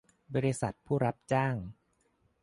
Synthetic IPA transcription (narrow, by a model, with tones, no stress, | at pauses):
bɔː˧ɾi˧sa˨˩t̪̚pʰuː˥˩ɾa˦˥p̚t͡ɕaː˥˩ŋ